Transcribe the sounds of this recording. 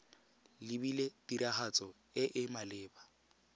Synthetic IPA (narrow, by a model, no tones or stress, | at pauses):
lɪbiletiɾaχat͡sʼɔ | ɪʔɪmalɪːba